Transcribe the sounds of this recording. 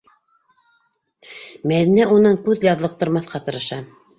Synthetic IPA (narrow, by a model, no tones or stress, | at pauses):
mæðinæʔunɤɴkʉðjɑðlˠɤ̆q̚t̪ɤ̆ɾmɑθqɑt̪ɤ̆ɾɤ̆ʃɑ